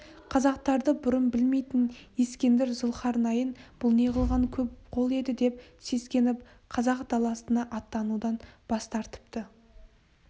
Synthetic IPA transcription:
qʰɑzɑq̚t̪ɑɾd̪əbʊɾənbɪlme̞jt̪ɪnje̞skʲe̞nd̪ɪɾzəlˠqʰɑɾnɑjənb̥ʊlˠne̞ʁəlˠʁɑnkʲʰɵpqʰo̞lˠe̞d̪ɪd̪e̞p̚se̞skʲe̞nɪp̚ | qʰɑzɑqd̪̥ɑlˠɑsənɑʔɑt̪ːɑnud̪ɑnb̥ɑst̪ɑɾt̪ə̥pt̪ə

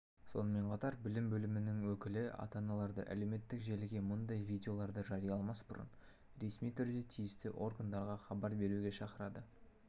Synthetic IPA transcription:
so̞̰nəme̞ɴqʰɑt̪ɑɾbɪlɪmbɵlɪmɪnɪŋwɵkʲɪlɪɑ̰t̪ɑnɑlˠɑɾd̪ə̰ʔæ̰le̞wme̞t̪ːɪkʒe̞lɪɡʲe̞mʊnd̪ɑjvʲijdʲeo̞lˠɑɾd̪əʒɑɾijɑlˠmɑsbʊ̰ɾə̰n | ɾe̞smijt̪ʰʏɾd̪e̞t̪ʰijɪst̪ɪʔo̞rɡand̪ɑɾʁɑχɑbɑɾbe̞ɾuɡʲe̞ʃɑqəɾɑd̪ə

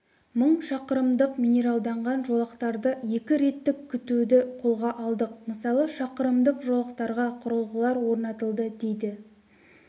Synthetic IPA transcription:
məɴʃɑqəɾəmd̪əqmʲijnʲe̞ɾalˠd̪ɑɴʁɑnʒo̞lˠəqt̪ɑɾd̪əje̞kʲɪɾe̞t̪ːɪkʲkʲʰːʏt̪ud̪ɪqʰo̞lˠʁɑʔɑlˠd̪əq̚məsɑlˠəʃɑqəɾəmd̪əqʒolˠəqt̪ɑɾʁɑqʰʊɾəlˠʁəlˠɑɾwo̞ɾnɑt̪əlˠd̪əd̪e̞jd̪ɪ

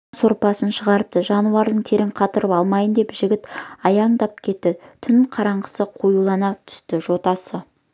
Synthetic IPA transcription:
soɾpɑsənʃəʁɑɾəp̚t̪əʒɑnuɑɾd̪əɴt̪ʰe̞ɾɪŋqʰɑt̪əɾəpɑlˠmɑjənd̪e̞pʒɪɡʲɪt̪ɑjɑɴd̪ɑp̚kʲʰe̞t̪ːɪt̪ʰʏnqʰɑɾɑɴɢəsəqʰojulˠɑnɑt̪ʰʏ̥st̪ɪʒo̞t̪ɑsə

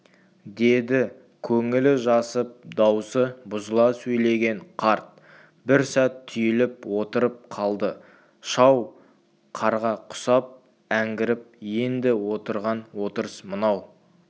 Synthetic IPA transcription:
d̪e̞d̪ɪ | kʲʰɵŋɪlɪʒɑsəp̚d̪ɑwsəbʊzəlˠɑsɵjle̞ɡʲe̞ɴqʰɑɾt̪̚ | bɪɾsæt̪ʰːʏjɪlɪpwot̪əɾəp̚qʰɑlˠd̪ə | ʃɑw | qʰɑɾʁɑqʰʊ̥sɑp̚ | æŋɡʲɪɾɪp̚je̞nd̪ɪwo̞t̪əɾʁɑnwo̞t̪əɾəsmənɑw

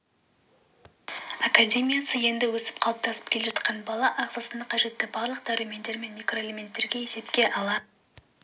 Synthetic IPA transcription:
akadʲe̞mʲijasəje̞nd̪ɪwɵsɪ̥p̚qʰɑlˠəp̚t̪ʰɑsə̥p̚kʲʰe̞lʲe̞ʒɑt̪qɑnbɑlˠɑʔɑʁzɑsənd̪ɑqʰɑʒe̞t̪ːɪbɑɾlˠəq̚d̪æɾime̞nd̪e̞ɾme̞nmʲijkro̞elʲe̞mʲe̞nt̪ːe̞ɾɡʲe̞je̞se̞pkʲe̞ʔɑlˠɑ

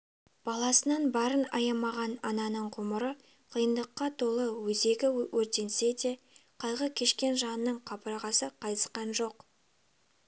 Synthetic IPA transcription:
b̥ɑlˠɑsənɑnbɑɾənɑjɑmɑʁɑnɑnɑnəɴqʰʊməɾə | qʰəjənd̪əqːɑt̪ʰo̞lˠəwɵze̞ɡʲɪwʔɵɾt̪e̞nse̞d̪e̞ | qʰɑjʁəkʲʰe̞ʃkʲe̞nʒɑnənəɴqʰɑpəɾɑʁɑsəqʰɑjt̪ə̥sqɑnʒo̞q

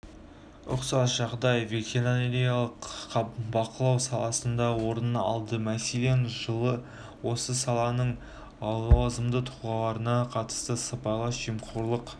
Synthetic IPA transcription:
ʊqsɑsʒ̥ɑʁd̪ɑjve̞t̪ʲʰeɾoneɾejalˠəqbɑqʰəlˠɑwsɑlˠɑsənd̪ɑwo̞ɾənɑ̰lˠd̪əmæselenʒəlˠə | wo̞səsɑlˠɑnəɴ | ɑwluɑzəmd̪ət̪ʰuʁɑlˠɑɾənɑqʰɑt̪ə̥st̪əsəpɑjlˠɑsʒ̥ijmqʰuɾlˠəq

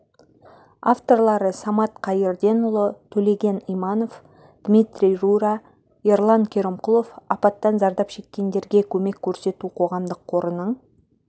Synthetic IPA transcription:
aft̪o̞rlˠɑɾəsɑmɑt̪qʰɑjəɾd̪e̞nʊlˠət̪ʰɵle̞ɡʲe̞nijmɑno̞f | d̪̥mʲit̪rʲijruɾa | erlˠaŋkʲʰe̞ɾɪmqʊlˠo̞fɑpɑt̪ːɑnzɑɾd̪ɑpʃe̞kʲːe̞nd̪e̞ɾɡʲe̞kʲʰɵme̞kʲʰːɵɾse̞t̪uqʰo̞ʁɑmd̪əqqʰːo̞ɾənəɴ

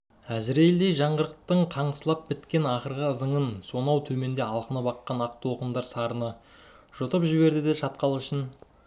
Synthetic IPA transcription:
æzɪɾejld̪ejʒɑɴʁəɾəq̚t̪əɴqʰɑɴsəlˠɑp̚bɪt̪kʲe̞nɑχəɾʁəəzəɴənso̞nɑwt̪ʰɵme̞nd̪e̞ɑlˠqənəpɑqːɑnɑq̚t̪woqənd̪ɑɾsɑɾənə | ʒ̥ʊt̪əpʒɪβe̞ɾd̪ɪd̪e̞ʃɑt̪̚qɑlˠɪʃɪn

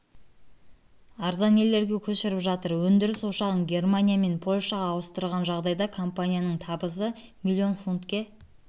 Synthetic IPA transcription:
ɑɾzɑne̞lːe̞ɾɡʲe̞kʲʰɵʃɪɾɪpʒɑt̪əɾwɵnd̪ɪɾɪso̞ʃɑʁənɡʲe̞rmanʲijame̞npʰo̞lʲʃɑʁɑːwəst̪əɾʁɑnʒɑʁd̪ɑjd̪ɑkʰo̞mpanʲijanəɴt̪ʰɑbəs̬ə | milʲːio̞nfunt̪kʲe̞

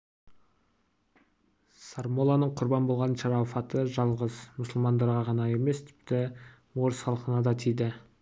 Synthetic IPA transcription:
sɑɾmo̞lˠɑnəɴqʰʊɾbɑnbo̞lˠʁɑnʃɑɾɑfɑt̪əʒɑlˠʁəzmʊsəlˠmɑnd̪ɑɾʁɑʁɑnɑe̞me̞st̪ʰɪ̥pt̪ɪ | mo̞ɾsχɑlˠqənɑd̪ɑt̪ʰijd̪ɪ

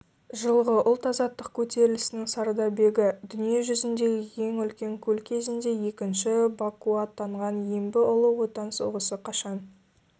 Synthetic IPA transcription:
ʒəlˠʁəʔʊlˠt̪ɑzɑt̪ːəq̚kʲʰɵt̪e̞ɾɪlɪsɪnɪŋsɑɾd̪ɑbe̞ɡʲɪd̪ʏnije̞ʒʏzɪnd̪e̞ɡʲɪje̞ŋʏlkʲe̞ŋkʲʰɵlkʲʰe̞zɪnd̪e̞je̞kʲɪnʃɪbakuɑt̪ʰːɑɴʁɑnjembɪʔʊlˠəwo̞t̪ɑnsoʁəsəqʰɑʃɑn

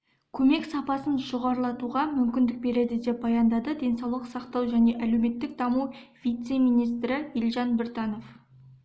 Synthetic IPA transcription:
kʲʰɵme̞ksɑpɑsənʒoʁɑɾlˠɑt̪uʁɑmʏmkʲɪnd̪ɪk̚be̞ɾe̞d̪ɪd̪e̞p̚bɑjɑnd̪ɑd̪əd̪e̞nsɑwlˠəqsɑqt̪ɑwʒæne̞ʔælewme̞t̪ːɪk̚d̪ɑmuv̥ʲijt̪se̞mijnijst̪ɾɪjelʒɑnbɪɾt̪ɑno̞f

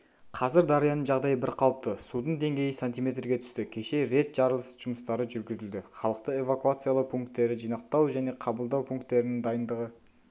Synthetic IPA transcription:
qʰɑzɪɾd̪ɑɾijɑnəɴʒɑʁd̪ɑjəbɪɾqʰɑlˠəp̚t̪əsud̪əɴd̪e̞ŋɡʲe̞jɪsant̪ijme̞t̪ɾɡʲe̞t̪ʰʏ̥st̪ɪkʲʰe̞ʃe̞ɾe̞t̪ʒ̥ɑɾəlˠsə̥zʒ̥ʊməst̪ɑɾəʒʏɾɡʲɪzɪld̪ɪχɑlˠəqt̪əe̞vakuat̪sɨjalˠəqpʰuŋk̚t̪ːe̞ɾɪʒijnɑq̚t̪ɑwʒæne̞qʰɑbəlˠd̪ɑwpʰuŋk̚t̪ːe̞ɾɪnɪŋd̪ɑjənd̪əʁə

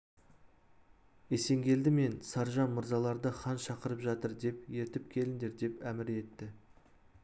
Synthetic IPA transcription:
e̞se̞ŋɡʲe̞ld̪ɪme̞nsɑɾʒɑnmʊɾzɑlˠɑɾd̪əχɑnʃɑqəɾəpʒɑt̪əɾd̪e̞pje̞ɾt̪ɪp̚kʲʰe̞lɪnd̪e̞ɾd̪e̞pæmɪɾe̞t̪ːɪ

